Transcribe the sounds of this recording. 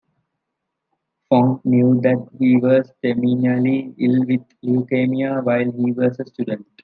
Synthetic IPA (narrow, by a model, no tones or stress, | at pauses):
fɔ̃ŋknjuːd̪æʈ̚hiːʋɔːsʈemiːnaliɪlʋid̪ljukeːmiaʋaɪlɦiːʋɔːsəsʈjuɖə̃ɳʈ